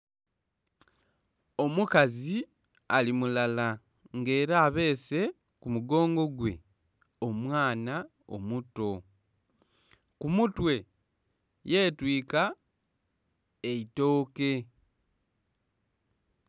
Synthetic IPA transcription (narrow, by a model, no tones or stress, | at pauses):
o̞mukazi | alimulala | ŋɡe̞ːɾaːβe̞ːse̞ | kumuɡo̞ːŋɡo̞ɡwe̞̰ | o̞mwaːna | o̞̰muto̞ | kumutwe̞ | je̞ːtwiːka | eito̞ːke̞